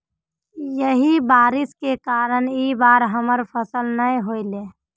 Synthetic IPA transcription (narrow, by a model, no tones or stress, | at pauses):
jəɦibaːɾɪskekaːɾəniːbaːɾɦəməɾpʰəsəlnəĩɦoːileː